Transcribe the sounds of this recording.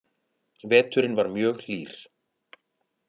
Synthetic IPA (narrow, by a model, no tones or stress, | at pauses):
vɛːt̪ʏɾɪnvaɾmjœːɣl̥iːɾ̥